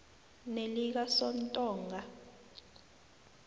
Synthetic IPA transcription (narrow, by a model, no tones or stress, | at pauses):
nelik̬asɔntʼɔːŋɡʱa